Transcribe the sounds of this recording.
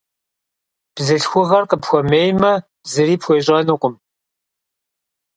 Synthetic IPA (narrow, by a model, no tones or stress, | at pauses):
b̥zɨɬxʷʊʁɐrqʼəpxʷɔmeːjmɐ | bzɨɾiːpxʷeːɕʼɐnɨqʷʊm